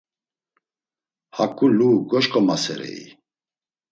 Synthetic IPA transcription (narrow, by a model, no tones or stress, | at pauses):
hakʼuluɡɔʃkʼɔmasɛ̰ɾɛ̰i